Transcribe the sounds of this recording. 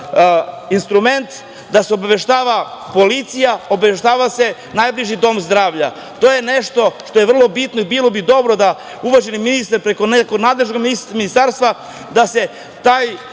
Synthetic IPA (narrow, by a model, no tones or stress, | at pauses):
inst̪ɾume̞nt̪ | d̪aseo̞baʋe̞ʃt̪aːʋapo̞lit̪sijao̞baʋeʃt̪aːʋase̞ | najbliʒid̪o̞mzd̪ɾaːʋʎa̰ | t̪oje̞neʃt̪o̞ʃt̪o̞jeʋr̩lˠo̞bit̪noibiːlˠo̞bid̪o̞bɾo̞d̪a | uʋaʒeniminist̪aɾpɾe̞ko̞nekoɡnaːd̪leʒno̞ɡminist̪aɾst̪ʋa | d̪ase̞ | t̪aːj